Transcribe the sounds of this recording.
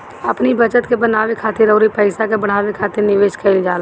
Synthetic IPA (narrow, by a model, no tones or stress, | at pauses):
ɐpnibət͡ʃət̪kebənaːʋekʰaːt̪eɾəʊɾipəɪsakebəɽ̤aːʋekʰaːt̪eɾnɪʋeːʃkʰɛɪld͡ʒaːl